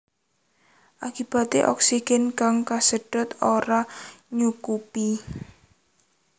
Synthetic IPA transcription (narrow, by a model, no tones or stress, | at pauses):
ʔakib̥a̤t̪eʔɔ̰ksiɡ̥ɛnkaŋkasəɖ̥ʊ̤t̪oɾaɲukupi